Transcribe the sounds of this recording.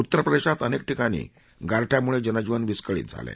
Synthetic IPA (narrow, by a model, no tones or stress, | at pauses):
ut̪ːəɾəpɾəd̪eɕat̪ənek̚ʈikaɽ̃ḭː | ɡaɾʈʰjamuɭed͡ʑənəd͡ʑiʋənʋiskəɭḭːt̪̚d͡zʱa̰lḛ